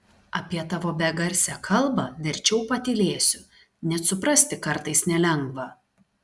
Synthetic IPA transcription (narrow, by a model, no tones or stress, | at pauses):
ɐpʲiɛt̪ɑʋoːbʲɛɡɐɾʲsʲɛkʰɐlˠˑbɐʋʲɛɾʲt͡ʃʲɛʊpɐt̪ʲɪlʲeːsʲʊ | nʲɛt̪sʊpɾɐsʲt̪ʲɪkɐɾt̪ɐɪsnʲɛlʲɛŋɡʋɐ